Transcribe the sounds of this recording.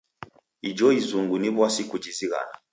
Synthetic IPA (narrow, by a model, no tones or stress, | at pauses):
id͡ʒɔizuŋɡuniβwasikud͡ʒiziɣa̰na